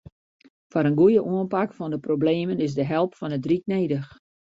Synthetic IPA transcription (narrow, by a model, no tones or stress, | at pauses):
fɔɾənɡujəʔuənpakfɔndəprobleːmənɪsdəɦɛlˠpfɔnədrik̚neːdəx